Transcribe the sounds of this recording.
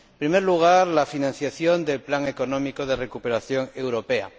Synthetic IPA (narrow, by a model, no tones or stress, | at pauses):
pɾimeɾluɣ̞aɾlafinãn̟θjaθjond̪elplaŋe̞konõmikoðe̞re̞kupe̞ɾaθjo̞ŋe̞wɾo̞pe̞a̰